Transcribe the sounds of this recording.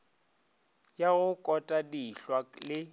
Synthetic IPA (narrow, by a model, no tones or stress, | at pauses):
jaɣʊkʼɔtʼadiɬwalɪ